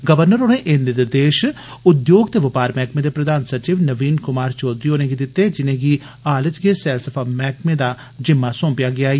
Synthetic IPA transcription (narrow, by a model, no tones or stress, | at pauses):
ɡəʋəɾnəɾonẽːʔɪnd̪ed̪ed̪eːʃ | ʊd̪joːɡt̪eːʋɪpaːɾmɛːkmeːd̪eːpɾəd̪aːnsət͡ʃiːʋnəʋiːnkʊmaːɾt͡ʃɔːd̪ɾiːɦoːnẽːɡid̪ɪt̪ːeːd͡ʒɪnẽːɡi | aːlət͡ʃɡeːsɛːlsəpʰaːmɛːkmẽːd̪aː | d͡ʒɪmːaːsõːpjaːɡɪaː